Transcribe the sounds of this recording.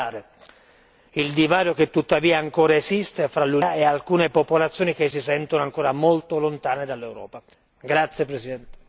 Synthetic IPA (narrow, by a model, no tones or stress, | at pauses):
aːɾe | ild̪ivaːɾjoket̪ːut̪ːaviːaːŋkoːɾaezist̪efɾalːuɛalkuːnepopolat̪sːjoːnik̟es̬isɛnt̪onoaŋkoːɾamolt̪olont̪aːned̪alːewɾɔ̰ːpa | ɡɾat̪sːjepɾesid̪ɛnt̪e̥